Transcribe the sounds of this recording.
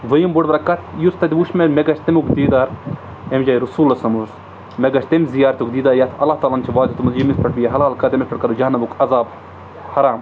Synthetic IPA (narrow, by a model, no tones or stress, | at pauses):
ʋɐjimbuʈbɐɾɐkɐt̪ʰjust̪ɐd̪iʋuʃmelmeɡɐʃt̪ɐmukd̪iːd̪aːɾ | emd͡ʒaːjɾusuːlɐsɐmuz | meɡɐʃt̪emzijaːɾɐt̪ukd̪iːd̪aːɾjat̪ʰɐlːaːht̪aːlant͡ʃʰiʋaːd̪ut̪umɐzjimispɐʈʰbijɐɦɐlaːlkɐt̪emispɐʈkɐd̪ud͡ʒɐɦɐnːɐbukʰɐzaːb | hɐɾaːm